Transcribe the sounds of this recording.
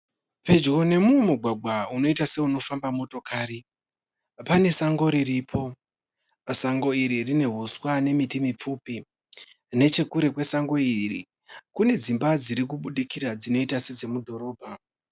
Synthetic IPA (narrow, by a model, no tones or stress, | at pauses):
pe̞d͡ʒone̞muwemuɡʱwaɡʱwauno̞itase̞uno̞fambamo̞to̞kaːri | pane̞saŋɡo̞ɾiripʰo̞ | saŋɡo̞iɾirine̞ɦuswane̞mitimip͡fuːpi | ne̞t͡ʃe̞kuɾe̞kwe̞saŋɡo̞iirḭ | kune̞d͡zimbad͡ziɾikuɓuɗikirad͡zino̞itased͡ze̞mudʱo̞ɾo̞ːbʱa